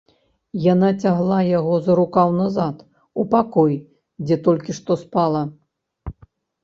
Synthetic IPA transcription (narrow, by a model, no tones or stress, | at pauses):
janat͡sʲaɣlˠajaɣɔzɐɾukawnazat̪ | upakɔj | d͡zʲɛt̪ɔlʲkʲiʂt̪ɔspalˠɐ